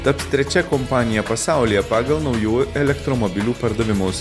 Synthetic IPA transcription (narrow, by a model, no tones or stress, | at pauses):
t̪ɐpsʲt̪ʲɾʲɛt͡ʃʲɛkɔmpɑːnʲɪjɛpɐsɑˑʊlʲijɛpɑːɡɐlˠnɒʊjuːɛlʲɛkt̪ɾɔmɔbʲɪlʲuːpɐɾd̪ɐʋʲɪmʊs